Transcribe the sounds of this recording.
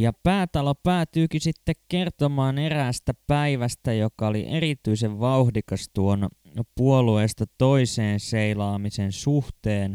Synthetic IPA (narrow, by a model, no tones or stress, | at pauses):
jɑpæːt̪ɑlopæːt̪yːkisit̪ːekkert̪omɑːneræːst̪æpæiʋæst̪æjokɑolḭʔerit̪yiseʋʋɑuhdikɑst̪uon | puolueːst̪ɑt̪o̞iseːnseilɑːmisensuht̪eːn